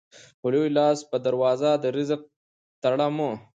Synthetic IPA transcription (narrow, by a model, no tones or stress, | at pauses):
ʊlojlɑːspəd̪aɾwɑːzad̪əɾizəq̚ | t̪aɽamo